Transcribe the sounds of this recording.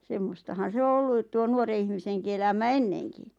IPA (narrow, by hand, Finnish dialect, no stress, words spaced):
semːostɑhɑn̞ se o olːut̆ tuo nuore ihmiseŋki elæmæ enːeŋki